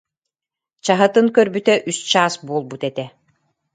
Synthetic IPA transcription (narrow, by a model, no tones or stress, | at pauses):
t͡ɕaɦɯt̪ɯŋkœɾbyt̪ɛʔyst͡ɕaːsbuɔlˠbut̪ɛt̪ɛ